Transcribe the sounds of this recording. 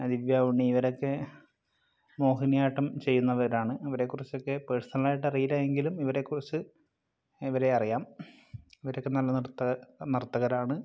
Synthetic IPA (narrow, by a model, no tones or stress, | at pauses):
ɐd̪iʋjaːuɳːiːʋɐɾo̞kːe̞ | mo̞ːɦinijaːʈːɐmt͡ɕe̞jːunːɐʋɐɾaːɳɨɐʋɐɾe̞kːurit͡ɕːo̞kːe̞peːʈst̪ʰɐnɐlaːjiʈːɐrijilaje̞ŋɡilumiʋɐɾe̞kːurit͡ɕːɨ | iʋɐɾe̞ɐrijaːm | iʋɐɾo̞kːenɐlːɐnrt̪ːɐnirt̪ːɐɣɐɾaːɳɨ